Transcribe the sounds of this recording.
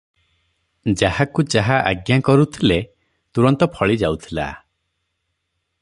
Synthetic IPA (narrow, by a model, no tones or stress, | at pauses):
d͡ʒahakud͡ʒaɦaʔaɡjakɔɾut̪ʰile | t̪uɾɔnt̪ɔpʰɔɭid͡ʒawt̪ʰila̰